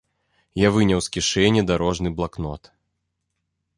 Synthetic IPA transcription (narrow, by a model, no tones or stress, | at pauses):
javɨnʲɐwskʲiʂɛnʲid̪aɾɔʐnɨblˠaknɔt̪